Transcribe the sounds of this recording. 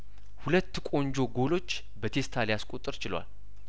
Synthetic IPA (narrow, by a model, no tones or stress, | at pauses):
hulət̪ːkʼo̞ɲd͡ʒo̞ɡo̞lo̞t͡ʃː | bət̪ʰe̞st̪ʰaljaskʼot̪ʼːɨɾt͡ʃɪlwa̰l